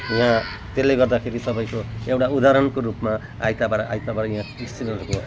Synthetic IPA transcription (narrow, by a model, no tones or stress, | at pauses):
jã | t̪elːeɡʌrd̪akʰeɾisʌbʌj̃koewʈaud̪aɾʌnkoɾupma | a̰jt̪abaɾʌʔajt̪abaɾʌjãist͡siɾʌɾuko